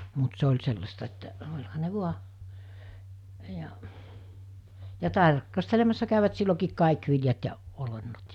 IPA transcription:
mut se olʲ selːɑstɑ etːæ olʲhɑ ne ʋuɑ jɑ jɑ tɑrk ɑstelemɑsːɑ kæˑyʋæt silːokiːk kɑˑik ʋiljɑt jɑ olenːot

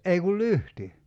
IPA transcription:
ei kul lyhti

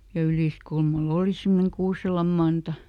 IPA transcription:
jɑ yliˑskulmɑl oːli semːoneŋ kuːselɑm mɑntɑ

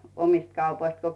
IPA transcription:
omist kɑupoist ko

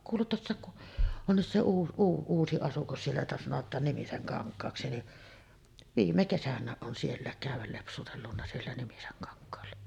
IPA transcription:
kuːlet tuosːɑˑek ku onːis se uː uː uːsi ɑsukɑs sielːæ jotɑ sɑnotˑɑːn nimiseŋkɑŋkˑɑːksi ni ʋiːmːe kesænˑæːʔ ʔon sielːæˑek kæˑyʋˑæl lepsutelːunːɑ sielːæ nimiseŋkɑŋkˑɑːlːɑ

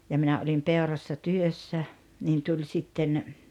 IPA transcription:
jɑ minæ olim peorɑsːɑ tyøsːæ niːn tulʲ sitːen

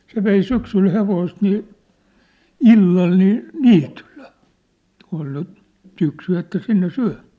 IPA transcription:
se ʋei syksyl heʋoist niː ilːɑl niː niːtyll̥e̥ kun ol ny syksy etːæ sinːe syæ̝m̥æ̥ː

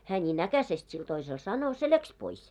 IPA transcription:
hæː nʲiːn ækæsest sil toisel sɑno se læks pois

